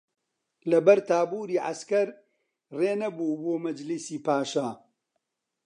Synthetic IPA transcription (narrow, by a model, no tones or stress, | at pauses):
lɐbɐɾt̪ʰaːbuːɾiːʕa̰skɐɾ | reːnɐbuːboːmɐd͡ʒlisiːpaːʃa